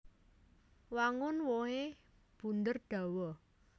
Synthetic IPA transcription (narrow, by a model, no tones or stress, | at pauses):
waŋʊnwohe | b̥ṳnd̪ərɖ̥a̤wɔ